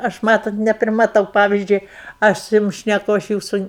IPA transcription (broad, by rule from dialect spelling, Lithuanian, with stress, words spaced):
ˈɐʃ ˈmɑːtoːt nʲɛpʲrʲɪmɐˈtɐʊ ˈpɑːʋʲɪzʲd͡ʒʲʊɪ ˈɐʃ sʊ ˈjʊm ʃʲnʲɛˈkʊ ˈɐʃ ˈjuːsʊ